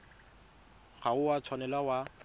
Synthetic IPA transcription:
ɣaʊwat͡sʰwanɛlawa

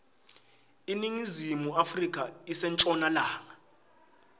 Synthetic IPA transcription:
iniŋizimuafrik̬ʼaisɛnt͡ʃʼɔnalaːŋa

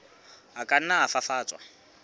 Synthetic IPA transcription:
ɦakʼan̩naafafaːt͡sʼwa̰

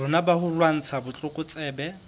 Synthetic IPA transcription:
ʊnabahʊlwan̩t͡sʰabʊt͡ɬʼʊkʼʊt͡sʼɛːbɛ

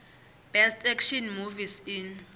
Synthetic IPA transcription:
b̥ɛstʰɛkʃɔnmuvisin

